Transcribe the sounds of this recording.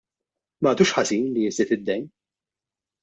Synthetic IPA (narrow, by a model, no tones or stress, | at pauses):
mɐːt̪uːʃħɐziːnliɪsɪt̪ɪd̪ːɛjn